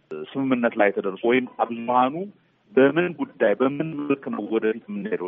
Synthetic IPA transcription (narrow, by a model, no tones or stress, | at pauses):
sɨmɨmːɨnːət̪lajːɛt̪ʰəd̪ərsowɔjɪmːabzhanu | bəmɨnɡud̪ːajbəmɨnməlkna̰wwɔd̪əfit̪mːɨnːləw